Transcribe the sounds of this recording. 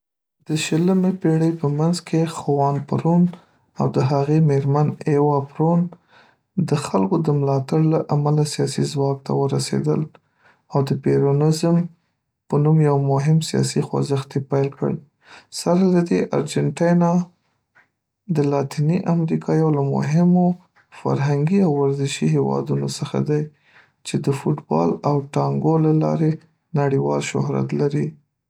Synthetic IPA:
d̪̥əʃələmepeɽəjpəmanzkʰexawɑnpaɾun | awd̪əɦaɣemeɾmanewɑpɾon | d̪əxalkod̪əmlɑt̪aɽlaʔamalasijɑsizwɑb̚t̪ʰa̰wəɾasḛd̪ə̰l | awd̪əpeɾonɪzm | pənumjawmʊɦɪmsijɑ̰sixwa̰zəxt̪epajlkə̰ɽ | saɾlad̪eʔa̰ɾd͡ʒanʈɑjnɑ | d̪əlɑt̪iniʔamɾikʰɑjawlamʊ̰ɦɪmo | fa̰ɾɦaŋɡiawːaɾzɪʃiɦewɑ̰d̪unosəxa̰d̪aj | t͡ʃed̪əfuʈbɑ̰lawʈɑŋɡolalɑ̰ɾe | naɽiwɑlʃʊ̰ɦɾa̰t̪laɾi

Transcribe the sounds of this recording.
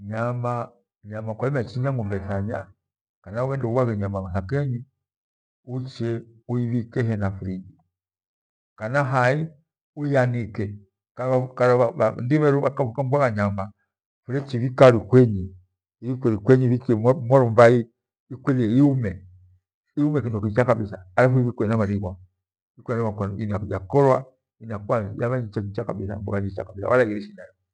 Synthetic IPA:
ɲama | ɲamakaimɛt͡ʃiɲaŋɡumbɛθaɲa | kanauβɛndɛuwaɣɛɲamakasakɛɲi | ut͡ʃɛuiβikɛɦɛnafuɾid͡ʒi | kanaɦai | uijanikɛ | kaakaɾaβandiβɛɾuβakaβukambwaɣaɲama | fuɾɛt͡ʃiβikaɾikwɛɲi | iβikwɛɾikwɛɲiβikmɔɾɔmbai | ikwɛliɛiumɛ | iumɛkindɔkit͡ʃakabisaːlafuiβikɛɛnamaɾiɡwa | ikwɛɛnamakiajakɔlwa | inakwajaβaɲit͡ʃakit͡ʃaka̰bisa̰mbɔ̰kaɲit͡ʃa̰kabisa̰wa̰laɡiɾɛʃinajɔ

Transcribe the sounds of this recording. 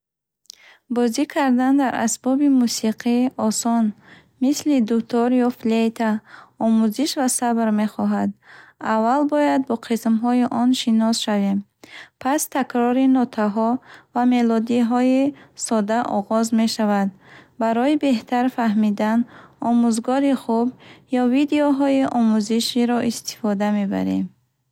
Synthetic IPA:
bɔzikʰaɾd̪and̪aɾa̰sbɔbimusiqʰiɔsɔn | mislid̪ukt̪ʰɔɾjɔflejt̪ʰaɔmuziʃvasabɾme̞χɔɦad̪avːalbɔjad̪̚bɔqʰismɦɔiʔɔnʃinɔsʃavem | pʰast̪ʰakɾɔɾinɔt̪ʰaɦɔvame̞lɔd̪iɦɔisɔd̪aʔɔʁɔzme̞ʃavad̪̚ | baɾɔibe̞ht̪ʰaɾfahmid̪anɔmuzɡɔɾiχubjɔvid̪eɔɦɔiʔɔmuziʃiɾɔʔist̪ʰi̥fɔd̪ame̞ba̰ɾḛm

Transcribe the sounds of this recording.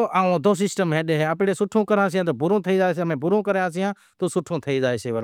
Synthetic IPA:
oʔaːõːd̪oːs̬ɪsʈəmɦẽːɗeɦeːəpːɽesʊʈʰũːkəɾãːs̬ijãːt̪̬oːbʊɾõːt̪ʰəid͡ʒaːes̬emẽːbʊɾõːkəɾjãːsijãː | t̪oːsʊʈʰõːt̪ʰəid͡ʒaːeseːʋəɾ

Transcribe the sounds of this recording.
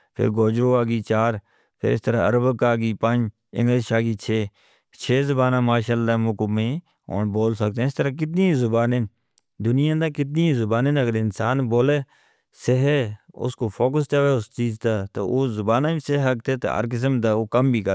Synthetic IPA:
pʰɪ̰ɾɡoːd͡ʒɾoːaːɡiːt͡ʃaːɾ | pʰɪ̰ɾɪst̪əɾaːə̰ɾəbəkaːɡiːpəd͡ʒ | ɪ̰̃ŋɡleːʃaːɡiːt͡ʃʰeː | t͡ʃʰeːzʊbaːnãːmaːʃaːlːaːmʊkmẽː | o̰ːnboːlsək̚t̪ɛ̃ːɪst̪əɾaːk̬ɪt̪̬niːzʊbaːnen | d̪ʊnɪjãːd̪ãːkɪt̪̬̚niːzʊbaːnenəɡəɾɪnsaːnboːleː | seɦeːʊ̰skoːpʰoːkəs̬t̪eːʋeːʊst͡ʃiːzt̪aːt̪o̰ːoːzʊbaːnãːbiːseɦɦək̚t̪ʰeːt̪o̰ːə̰ɾk̬ɪs̬əmd̪aːoːkəmbʱiːkə

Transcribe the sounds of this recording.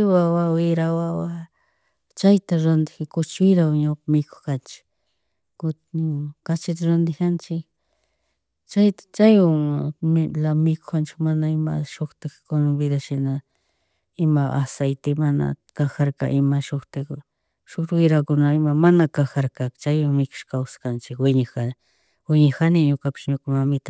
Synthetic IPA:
wawawɪɾawawa | t͡ʃajt̪aɾand̪ɪkakʊt͡ʃwɪɾawɲawqamɪko̥xkant͡ʃɪ̥k | kʊ | kat͡ʃɪt̪aɾand̪ɪkant͡ʃɪk̚ | t͡ʃajt̪ḁt͡ʃajwaŋmlamɪko̥xkant͡ʃɪ̥kmanaɪmaʃoxt̪ɪkkonbɪd̪aʃɪna | ɪmaʔasajt̪ɪmana̰kaxaɾka̰ʔɪmaʃoxt̪ɪk | ʃokt̪ɪkwɪɾakʊnaɪmamanakaxaɾkakt͡ʃajwaŋmɪkʊ̥ʃkawsḁkant͡ʃɪkwɪɲaxa | wɪɲaxanɪɲʊkapɪ̥sɲʊkamamɪt̪ḁ

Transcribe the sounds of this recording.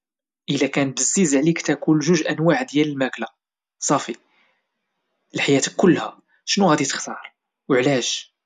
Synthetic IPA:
ʔəlækænb̪əzːizʕlikt̪ækulʒʊʒʔænwaʕd̪jæləlmækla | sˤɑfi | əlħajæt̪kʊlːhæ | ʃnuhæd̪it̪ə̥xt̪ɑɾˤ | wəʕlæʒ

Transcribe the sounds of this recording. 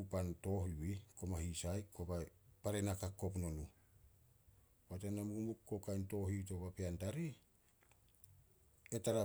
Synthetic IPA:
upanto̞ɦiwiko̞mahisajkʰobapaɾenakakːo̞p̬no̞nu | watenamumukːo̞kajnto̞ɦito̞bapeantaɾi | etaɾa

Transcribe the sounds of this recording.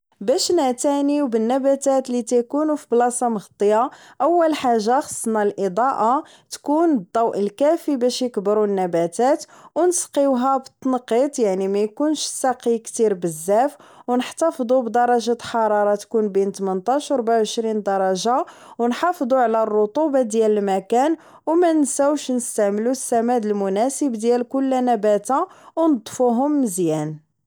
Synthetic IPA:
bæʃnæt̪æniwbənːæbæt̪æt̪lit̪ækunufiblɑsˤɑməɣt̪ˤːəjaʔæwːəlħaʒːaxɑ̥sˤːnɑlʔəd̪ˤɑʔa | t̪kund̪ˤːɑwʔəlkæfibæʃjəkbəɾunːæbæt̪æt̪ | wnəsqiwɦæbət̪ˤːnəqːət̪ˤjaʕnimæjkunʃsɑqikt̪iɾbəzːæfwnəħt̪ɑfd̪ˤubd̪ɑɾˤːɑʒat̪ħɑɾˤɑɾˤɑt̪kunbint̪mənt̪ˤɑʃwɾbaʕʕəʃɾind̪ɑɾˤɑʒa | wnħɑfd̪ˤuʕlærˤːot̪ˤubɑd̪jæləlmækæn | wmænsæwʃnəst̪æʕməlusːæmæd̪əlmʊnæsəbd̪jælkʊlːænæbæt̪awnəd̪ˤfuɦʊmːəzjæn

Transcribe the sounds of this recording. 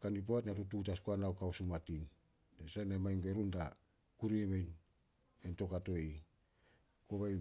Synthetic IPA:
kandip̬oatnatututaskoanawkawsumatin | esanamajŋbeɾunda | kuɾiemejn | ento̞kato̞i | koβaj

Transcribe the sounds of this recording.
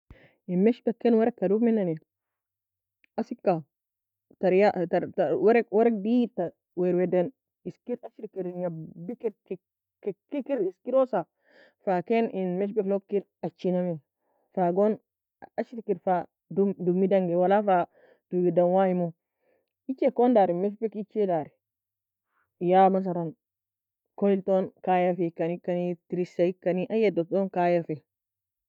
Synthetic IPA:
inmeʃbekːenwaɾekːadumenːane | asikːa | taɾjataɾtawaɾekwaɾek̚bita | weɾwedan | iskiɾaʃiɾkiɾinjabikiɾki | kekikiɾiskiɾosa | fakeninmeʃ̬beflokːiɾ | at͡ʃːiname | faɡɔn | at͡ʃiɾkiɾfa | dudumːidaŋɡɛwalafa | d̥uɡidanwajimo | it͡ʃːɛkɔndaɾimɛʃ̬bikit͡ʃːɛdaɾɛ | jamas̬aɾon | koiltɔnkajɛɾfɛkːanikːanitiɾisaikːaniʔajɛdɔtɔnkajɛɾfɛ

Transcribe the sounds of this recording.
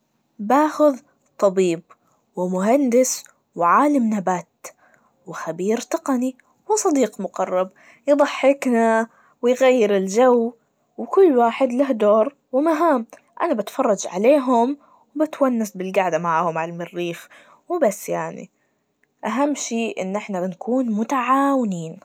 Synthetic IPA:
baːxʊð | t̪ˤːɑbiːb̚ | wɪmʊɦand̪ɪs | wʕaːlamnabaːt̪ | wɪxabiːɾt̪ɑqɑni | wɪsˤɑd̪iːqmʊqɑrˤːɑb̚ | jðˤɑħːɪkna | wɪjɣajːɪɾɪld͡ʒaw | wɪkʊlːwaːħɪd̪lahd̪oːɾˤ | wɪmaɦaːm | ʔa̰nabat̪fɑrˤːɑd͡ʒʕa̰leːɦʊm | wbɪt̪wanːasbɪlɡaʕd̪amaʕaːhʊmʕalmɪrːiːf | wɪbasːjaʕnḭ | ʔaɦamːʃiːʔɪ̰nːʔɪħnabɪnkuːnmʊt̪aʕaːwɪniːn

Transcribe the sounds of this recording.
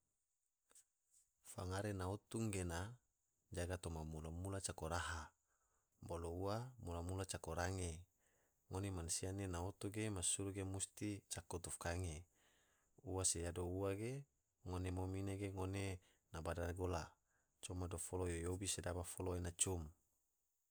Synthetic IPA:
faŋaɾenaut̪uŋɡena | d͡ʒaɡat̪omamulamulat͡ʃakoɾaɦa | bolouamulamulat͡ʃakoɾaŋe | ŋonemansianenaot̪uɡemasuɾuɡemust̪it͡ʃakot̪ufkaŋe | uwasejadouwaɡe | ŋonemomineɡeŋone | nabadaɡola | t͡ʃomadofolojojobisedabafoloenat͡ʃum

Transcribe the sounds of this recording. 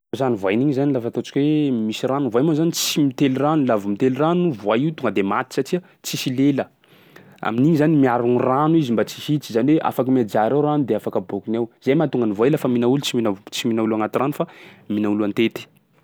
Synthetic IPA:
zanivajniɲizanilafət̪ot͡ʃi̥kʲwemisiranuvajmazanit͡simit̪eliranulavəmit̪eliranuvwajiwt̪uŋɡəd̪emat̪i̥satiə | t͡sisilelə | a̰miniɲizanimiaɾuniranuizimbat͡si̥sit͡si̥zaniweʔa̰fakəmiad͡ʒaɾewranud̪eafakəbokinawzajmat̪uŋɡənivajlafəminaulut͡siminat͡siminaulaŋat̪iranufaminauluant̪et̪i̥

